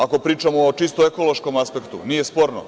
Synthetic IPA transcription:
ako̞pɾiːt͡ʃamoːt͡ʃist̪oeko̞lˠoʃko̞maspe̞kt̪ṵnije̞spo̞ːɾno̰

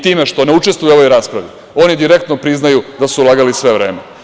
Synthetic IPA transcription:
t̪iːme̞ʃt̪o̞neut͡ʃest̪vujuo̞ʋo̞jɾaːspɾaʋi | o̞nid̪iɾek̚t̪nopɾiznajud̪asulˠaːɡalisʋe̞ʋɾeːme

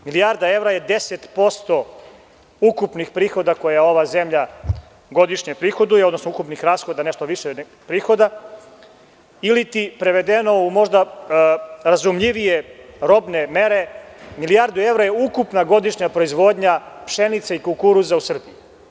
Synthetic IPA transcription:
miliaɾd̪ae̞vɾajed̪eset̪po̞st̪o | ukupnixpɾiːxo̞d̪ako̞jao̞ʋazemʎa | ɡo̞d̪iʃɲepɾiːxo̞d̪uo̞d̪nosnoukupnixɾaːsxod̪aneʃt̪oʋiʃe | pɾiːxo̞d̪a | ilit̪ipɾeʋe̞d̪eno̞umo̞ʐd̪a | ɾazumʎiʋijeɾo̞bnemeɾe̞milijaɾd̪ue̞ʋɾajeukupnaɡo̞d̪iʃɲapɾoizʋo̞d̪ɲapʃenit̪saikulkuɾuzausr̩biji

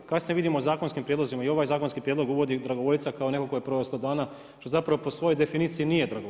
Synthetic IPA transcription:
kasnieʋid̪imozaːkonskimpɾjed̪lo̞zimaio̞ʋajzaːkonskipɾjed̪lo̞ɡuʋo̞d̪id̪ɾaɡoʋolʲit̪sakaone̞kokojepɾoʋeslˠod̪aːna | ʃt̪o̞zapɾaʋopo̞sʋo̞jo̞jd̪e̞finiːt̪sijinije̞d̪ɾaɡo

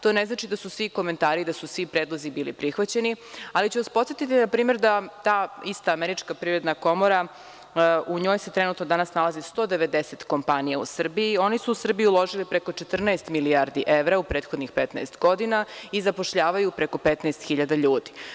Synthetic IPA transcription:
t̪o̞ːneznat͡ʃid̪asusʋiko̞me̞nt̪aːɾid̪asusʋipɾe̞ːd̪lˠozibiːlipɾixʋat͡ɕe̞nialit͡ɕuʋaspot̪sjet̪it̪inapɾiːme̞ɾd̪at̪aːist̪aːmeɾit͡ʃkapɾiɾe̞d̪nako̞moɾa | uɲo̞ːjset̪ɾenut̪nod̪anasnalazist̪o̞d̪eʋe̞d̪eset̪ko̞mpanijaṵsr̩biio̞nisuːsr̩bijiulˠo̞ʒilipɾeko̞t͡ʃet̪r̩naest̪miliaɾd̪iʔeʋɾaupɾeːt̪xo̞d̪nixpet̪na̰est̪ɡo̞d̪inaizapo̞ʃʎaːʋajupɾeko̞pet̪naest̪xiʎad̪aʎuːd̪i̥

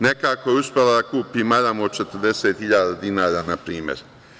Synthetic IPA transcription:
ne̞kaːkojeuspʲelad̪akuːpiːmaʎamoot͡ʃet̪ɾd̪e̞set̪hiʎaːd̪ad̪inaːɾaːnapɾiːmjḛɾ

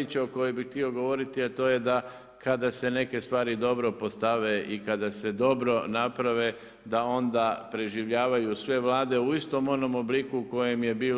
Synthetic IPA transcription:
it͡ɕeoko̞jebixt̪io̞ɡo̞ʋo̞ɾit̪iat̪o̞ːje̞d̪a | kad̪ase̞ne̞ke̞st̪ʋaːɾid̪o̞bɾo̞po̞st̪aʋeʔikad̪ase̞d̪o̞bɾo̞napɾaʋe̞ | d̪ao̞nd̪apɾe̞ʒiʋʎaːʋajusʋe̞ʋlˠaːd̪e̞uist̪o̞mo̞no̞moblikuko̞je̞mje̞biː

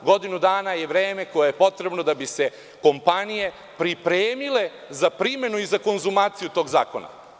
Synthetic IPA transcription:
ɡo̞d̪inud̪aːnaje̞ʋɾe̞ːme̞ko̞jejepo̞t̪ɾe̞bno̞d̪abise̞ | ko̞mpanije̞ | pɾipɾeːmile̞ | zapɾime̞nuizako̞nzumaːt̪sijut̪o̞ːɡza̰ːko̞̰na̰

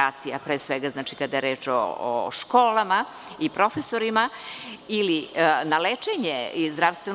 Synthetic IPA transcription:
aːt̪sijapɾeːsʋeɡaznaːt͡ʃikad̪ajeɾe̞ːt͡ʃo̰o̰ʃko̞ːlama | ipɾo̞fesoɾima | ilinalet͡ʃeɲeizd̪ɾaʋst̪ʋen

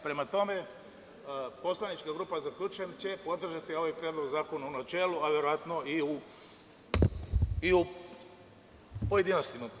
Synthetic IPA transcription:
pɾe̞mat̪o̞me̞ | po̞slanit͡ʃkaɡɾuːpazaklʎʲuːt͡ʃujemt͡ɕe̞po̞d̪r̩ʒat̪io̞ʋajpɾjed̪lˠo̞ɡzaːko̞naunat͡ʃe̞ːluaʋe̞ɾoʋat̪no̞iu | iu | poje̞d̪inost̪ima

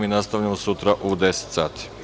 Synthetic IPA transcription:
minast̪aʋʎamosut̪ɾaʔud̪ese̥t̪saːt̪i̥

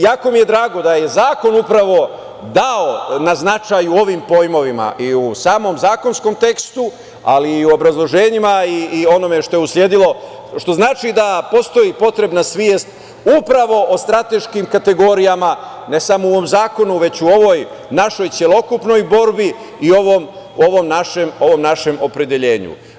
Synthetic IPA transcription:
jaːko̞mije̞d̪ɾaːɡo̞d̪aje̞zaːko̞nupɾaʋo̞ | d̪ao̞naznat͡ʃajuo̞ʋimpo̞jmo̞ʋima̰ʔiusaːmo̞mzaːko̞nsko̞mt̪e̞kst̪u | a̰liːuobɾazlˠo̞ʒeːɲimaiːo̞no̞me̞ʃt̪o̞jeuslje̞d̪ilo̞ | ʃt̪o̞znaːt͡ʃid̪apo̞st̪o̞jipo̞t̪ɾe̞bnasʋjeest̪ | upɾaʋo̞ʔost̪ɾat̪e̞ʃkimkat̪e̞ɡo̞ɾijama | ne̞samouomzaːko̞nuʋe̞t͡ɕuo̞ʋo̞j | naʃo̞jt̪sje̞lˠokupno̞jbo̞ɾbi | io̞ʋom | o̞ʋo̞mnaʃemo̞ʋo̞mnaʃe̞mo̞pɾe̞d̪e̞ʎe̞ːɲṵ

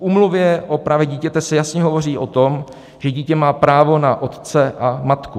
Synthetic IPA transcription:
ʔuːmluvjɛʔopɾaːvjɛɟiːcɛt̪ɛsɛjasɲɛɦo̞vo̞riːʔo̞t̪o̞m | ʒ̥ɛɟiːcɛmaːpɾaːvo̞naʔo̞t̪t͡sɛʔamat̪ku

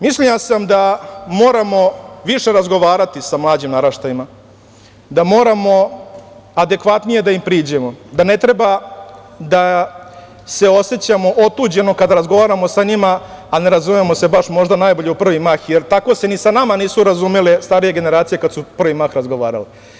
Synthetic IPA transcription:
mislijasamd̪amo̞ːɾamo̞ʋiʂe̞ɾazɡo̞ʋaːɾat̪isamlˠaːd͡ʑimnaɾaʃt̪ajima | d̪amo̞ːɾamo̞ | ad̪e̞kʋat̪nije̞d̪aimpɾiːd͡ʑe̞mo̞d̪ane̞t̪ɾe̞ba | d̪a | se̞o̞set͡ɕamo̞ʔot̪uːd͡ʑe̞no̞kad̪aɾazɡo̞ʋaːɾamo̞saɲimaːne̞ɾazumemo̞se̞baʂmo̞ʐd̪anaːjbo̞ʎeupr̩ʋimaxjeɾt̪ako̞se̞nisanamaniːsuɾazumelest̪aɾije̞ɡe̞ne̞ɾaːt̪sije̞kad̪supr̩ʋimaxɾazɡo̞ʋaːɾa̰le

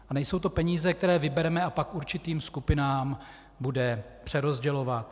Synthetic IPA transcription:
ʔanɛjso̞wt̪o̞pɛɲiːzɛkt̪ɛɾɛːvɪbɛɾɛmɛapakuɾt͡ʃɪt̪iːmskupɪnaːm | budɛpr̥ɛɾo̞zɟɛlo̞vat̪̚

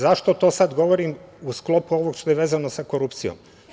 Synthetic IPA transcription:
zaʃt̪o̞t̪o̞ːsad̪ɡo̞ʋo̞ɾimusklˠo̞puoʋo̞ɡʃt̪ojeʋeːzanosako̞ɾupt̪sijo̰m

